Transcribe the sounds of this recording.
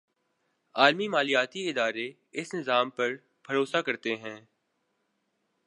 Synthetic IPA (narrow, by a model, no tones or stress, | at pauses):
aːlmimaːlijaːt̪iɪd̪aːɾe | ɪsnɪzaːmpɐɾ | bʱɐɾoːsakɐɾt̪eɦɛ̃ː